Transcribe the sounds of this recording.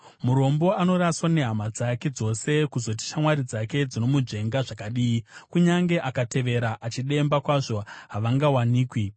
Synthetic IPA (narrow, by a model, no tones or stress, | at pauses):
muɾo̞mbo̞ano̞ɾaswane̞ɦamad͡zake̞d͡zo̞se̞kuzo̞t̬i̥ʃamwaɾid͡zake̞d͡zino̞mud͡ʒe̞ŋɡaʐakaɗiːikuɲaŋɡe̞ʔakate̞ʋe̞ɾaʔat͡ʃiɗe̞mbakwaʐo̞ɦaʋaŋɡawaniːkwi